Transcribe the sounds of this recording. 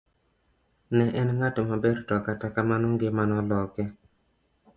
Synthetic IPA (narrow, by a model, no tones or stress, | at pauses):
nɛʔɛnŋatomabeɾtɔkatakamanɔŋɡɪmanɔlɔkɛ